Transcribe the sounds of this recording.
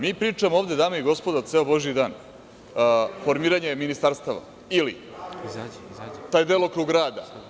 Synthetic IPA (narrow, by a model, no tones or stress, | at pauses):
miːpɾiːt͡ʂamooʋd̪e̞d̪aːmoiɡo̞spo̞d̪at̪se̞obo̞ʒiid̪aːn | fo̞ɾmiːɾaɲe̞minist̪aɾst̪aʋa̰ | ilḭ | t̪aːjd̪elokɾuɡɾaːd̪a